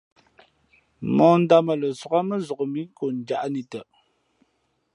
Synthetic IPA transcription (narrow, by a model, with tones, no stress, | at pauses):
mɔ˦˨n̩˦da˦mə˨lə˨sɔ˨ka˦mə˦zɔ˨kmi˦ŋ˦ko˨n˨d͡ʒa˦ʔni˨tə˨